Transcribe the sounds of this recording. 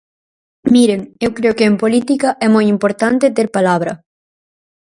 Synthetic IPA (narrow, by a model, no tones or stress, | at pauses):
miɾeŋewkɾeokeːmpolit̪ikɐʔɛmojimpoɾt̪ant̪et̪eɾpalaβɾɐ